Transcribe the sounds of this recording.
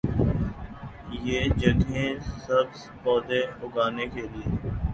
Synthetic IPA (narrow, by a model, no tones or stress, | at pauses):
jeːd͡ʒəɡẽːsəbs | pɔːd̪eːʊɡaːneːkeːlieː